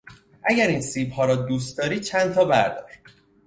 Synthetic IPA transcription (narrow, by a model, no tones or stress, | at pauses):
ʔæɟæɾiːnsiːbhɒːɾɒːd̪uːs̬t̪̚d̪ɒːɾiːt͡ʃʰænt̪ʰɒːbæɾd̪ɒ̰ːɾ